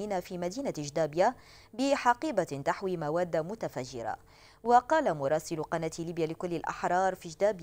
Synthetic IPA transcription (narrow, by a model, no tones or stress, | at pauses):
iːnafiːmad̪iːnaʒd̪aːbja | bɪħɑqiːbat̪aħwiːmawaːd̪ːamʊt̪afaʒːɪ̰ɾa̰ | wɑqɑːlamʊɾˤɑːsɪlqɑnat̪liːbjaːlɪkʊlːɪlʔɑ̰ħɾˤɑːɾˤfid͡ʒd̪aːb